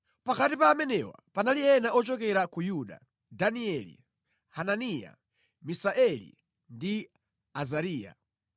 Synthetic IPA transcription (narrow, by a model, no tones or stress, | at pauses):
pakatipaːmɛnɛwa̰panaliɛnaʔɔt͡ʃɔkɛɾakujuɗa̰ | daniɛlḭ | hananija̰ | misaʔɛlḭ | ndi | azaɾiːja̰